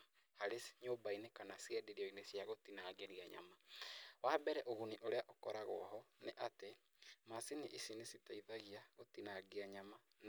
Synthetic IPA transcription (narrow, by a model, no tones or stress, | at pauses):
haɾesɲoːbainekanasiɛdiɾiɔinesjaɣotinaːɡeɾiaɲa̰mawaːbɛɾɛʔoɣuniʔoɾeaʔokɔɾaɣɔ̰ɦɔneʔate | masiniʔisinesitaiðaɣiaɣotinaɡeaɲaman